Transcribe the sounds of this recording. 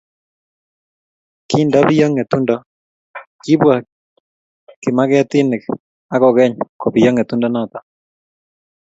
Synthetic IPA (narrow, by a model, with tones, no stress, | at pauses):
ki˦ndɔ˦bɪ˦jɔ˦ŋɛ˨t̪u˦ndɔ˨ | kɪ˦bwa˨ | kɪ˨ma˦kɛ˦t̪ɪ˦nɪ˨k | a˦kɔ˨kɛ˦ɲkɔ˨bɪ˨jɔ˦ŋɛ˨t̪u˦ndɔ˦nɔ˦t̪a˦